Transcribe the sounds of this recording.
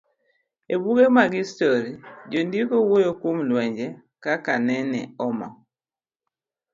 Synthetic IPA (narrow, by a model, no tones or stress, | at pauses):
ebuɡemaɡistoɾid͡ʒondikowojokomlwɛɲd͡ʒɛ | kakanɛnɛ̰ɔmɔ̰